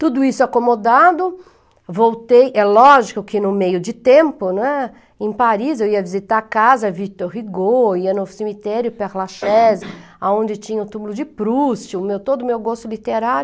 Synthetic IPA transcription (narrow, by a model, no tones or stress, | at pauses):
t̪ud̪ʊisʊakomod̪ad̪ʊ | vowt̪ejʔɛlɔʒikʊkɪnʊmejʊd͡ʒɪt̪ẽmpʊnõɛ | ẽpaɾizewiɐvizit̪aɾkazɐvit̪oɾɦiɡoiɐnʊsemit̪ɛɾjʊpɛɾlaʃɛz | aõnd͡ʒɪt͡ʃĩɲɐʊt̪umʊlʊd͡ʒɪpɾust͡ʃɪʊmewt̪od̪ʊmewɡost̪ʊlit̪eɾaɾʊ